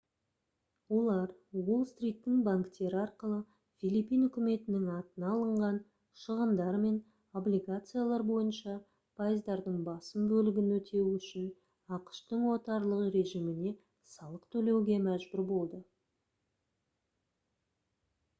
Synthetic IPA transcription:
wo̞lˠɑɾwolˠst̪rʲijt̪ːɪŋbaŋkt̪e̞ɾɪɑɾqəlˠə | fʲilˠipijnʏkʲɪme̞t̪ɪnɪŋɑt̪ənɑlˠəɴʁɑn | ʃəʁənd̪ɑɾme̞n | o̞blʲiɡat̪sɨjalˠɑɾbo̞jənʃɑ | pʰajəzd̪ɑɾd̪əɴbɑsəmbɵlɪɡʲɪnwɵt̪ʰe̞wʏʃɪn | ɑqə̥ʃt̪əɴwo̞t̪ɑɾlˠəʁəɾe̞ʒijmɪne̞ | sɑlˠəqt̪ʰɵle̞wɡʲe̞mæʒbʏɾbo̞lˠd̪ə

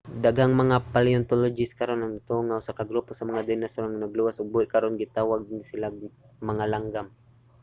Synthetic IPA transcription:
d̪aɡaŋmɐŋapaliont̪olod͡ʒɪskaɾonaŋt̪oŋaʊsakaɡɾuposɐmaŋad̪ɛnasoɾaŋnɐɡluwasʊɡ̚buɪʔkaɾonɡɪt̪aːwaɡ̚nsɪlaɡ | mɐŋalaŋɡam

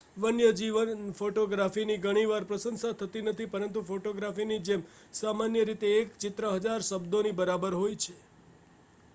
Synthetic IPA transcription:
ʋənjəd͡ʒiʋənfoʈoɡɾafiniɡəɽ̃iʋaɾpɾəsənsat̪ʰət̪inət̪ʰipəɾənt̪ufoʈoɡɾafinid͡ʒem | samanjəɾit̪eːkt͡ʃɪt̪ɾəɦəd͡ʒaɾʃəbd̪onibəɾabəɾɦojt͡ʃʰe

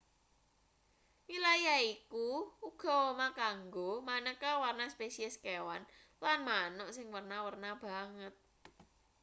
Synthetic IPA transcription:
wilajaikuuɡ̥ɔ̤womakaŋɡomanəkawarnaspesiəskewan | lanmanɔʔsɪŋwərnawərnab̥a̤ŋət̪̚

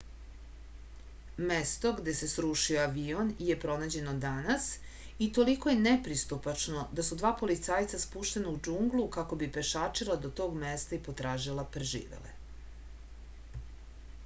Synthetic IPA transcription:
mest̪o̞ɡd̪e̞se̞sɾuʃioaʋionje̞pɾo̞naːd͡ʑe̞no̞d̪anas | it̪o̞liko̞je̞nepɾist̪upat͡ʃno̞d̪asud̪ʋaːpo̞lit̪saːjt̪saspuːʃt̪e̞naud͡ʒuŋɡlˠukako̞bipe̞ʃaːt͡ʃilˠad̪ot̪o̞ːɡmest̪aipo̞t̪ɾaːʒilˠapɾeʒḭːʋḛlḛ

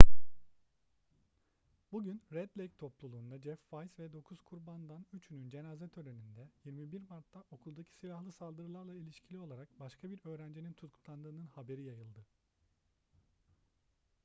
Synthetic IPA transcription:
buɟynɾɛd̪lʲejc̚t̪ʰo̞plˠulˠuːnd̪ad͡ʒɛfvajsvɛd̪o̞kʰuz̥kʰuɾband̪anyt͡ʃʰynynd͡ʒe̞naːzɛt̪ʰøɾenynd̪ɛjiɾmibiɾmaɾt̪ʰːaʔo̞kʰulˠd̪acʰi̥silʲahlˠɯsalˠd̪ɯɾɯlˠaɾlˠailʲiʃcʰilʲio̞lˠaɾak̚baʃkʰabiɾø̞ːɾænd͡ʒinint̪ʰut̪kʰut̪lˠand̪ɯːnɯnhabe̞ɾijajɯlˠd̪ɯ

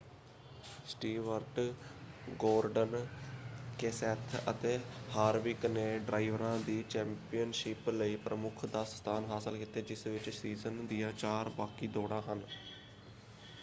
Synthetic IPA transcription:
sʈiːʋəɾʈ | ɡoːɾɖən | keːsɛːt̪ʰə̰t̪eːhaːɾʋɪkneːɖɾʔaːiʋəɾãːd̪iːt͡ʃɛ̃ːmpijənʃɪːpləiːpɾəmʊkʰd̪aːsst̪ʰaːnɦaːsəlkɪt̪eːd͡ʒɪsʋɪt͡ʃsiːzənd̪ɪjaːt͡ʃaːɾbaːkiːd̪oːɽaːɦən

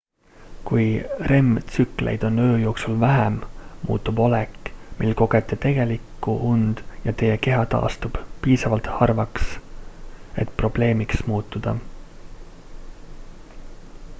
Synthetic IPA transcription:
kujre̞mt̪sykˑle̞̰jd̪̥o̞nːø̞ːjo̞ːksulvæɦemmṵːt̪ˑːubo̞lɛkːˑmilko̞ɡ̥e̞t̪ːˑet̪e̞ɡ̥e̞likːˑuʔund̪̥jɑt̪e̞jeke̞ɦɑt̪ɑ̰ːst̪ub̥piːsɑvɑlt̪hɑrvɑks | e̞̰t̪pro̞b̥le̞ːmiksmuːt̪ːˑud̪̥ɑ̰

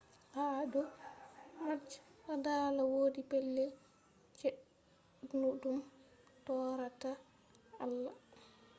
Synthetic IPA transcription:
hadɔ | mad͡ʒɾadalawoːdipɛlːɛ | t͡ʃɛ | nudum | tɔːɾata | alːa

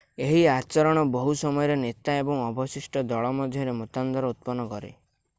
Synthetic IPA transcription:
eɦiat͡ʃɔɾɔɽ̃ɔbɔɦusɔmɔjɔɾenet̪aebɔŋɔbɔsiʃʈɔd̪ɔɭɔmɔd̪ʱjɔɾemut̪and̪ɔɾɔut̪̚pɔnːɔkɔɾḛ

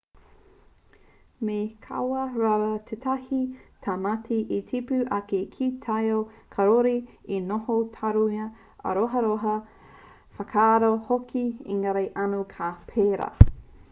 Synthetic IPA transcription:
mekʰɐ̰wɐɾaɾɐtʰet̪ʰɐhit̪ʰamatʰiʔitʰipʉʔɐkekʰitʰɐjokʰɐɾoɾiinohotʰaɾuɐ | ɐ̰ɾoɦɐɾoɦɐ | fɐkʰaːɾohokʰiḭŋaɾɐjʔɐnukʰapʰeːɾa̰

